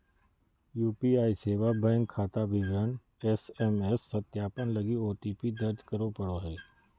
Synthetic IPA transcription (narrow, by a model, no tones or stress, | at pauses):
juːpiaːiseːʋabɛ̃ːŋɡkʰaːt̪abɪʋɾən | ɛsɛmɛsːət̪jaːpənlɐɡioːʈiːpid̪əɾd͡ʒkəɾopəɽoɦɛː